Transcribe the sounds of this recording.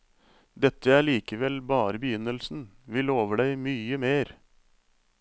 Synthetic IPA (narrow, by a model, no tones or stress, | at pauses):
d̪ɛt̪ːəæːɭiːkəʋɛlbɑːɾəbəjʏnəlsn̩ʋɪːloːʋəɖæɪmyːəmeːɾ